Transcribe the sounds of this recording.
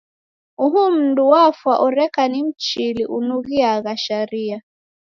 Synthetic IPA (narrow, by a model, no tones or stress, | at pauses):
uɦum̩nduwafwaʔɔɾɛkanim̩t͡ʃiliʔunuɣiaɣaʃaɾia